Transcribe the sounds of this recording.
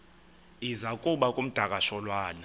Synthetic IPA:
izakʼuɓakʼum̩d̥ʱakʼaʃɔlwaːna

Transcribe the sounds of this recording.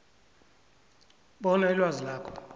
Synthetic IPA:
ɓɔnailwazilaːkʰɔ̥

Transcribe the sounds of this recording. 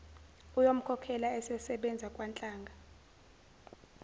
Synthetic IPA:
ujom̩kʰɔkʰɛlaɛsɛsɛɓɛnd͡zʱakʼwant͡ɬʼaːŋɡʱa

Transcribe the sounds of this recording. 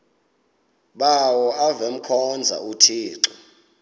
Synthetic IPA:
ɓawɔavem̩kʰɔnd͡zʱa̰utʰiːǀɔ

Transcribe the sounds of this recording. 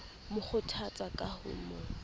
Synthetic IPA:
mʊχʊtʰat͡sʼakʼahʊ̰ːnɔ

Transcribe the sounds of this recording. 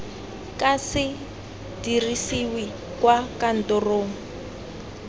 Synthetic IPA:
kasɪ | dirisiwi | kwakan̩tɔroːŋ̩

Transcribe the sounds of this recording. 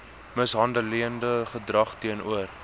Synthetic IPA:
məsɦɐndəliəndəχədrɐχtiənuər

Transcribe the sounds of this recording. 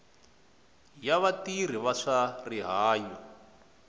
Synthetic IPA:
jaβatir̤iβaʂariɦaːjɔ

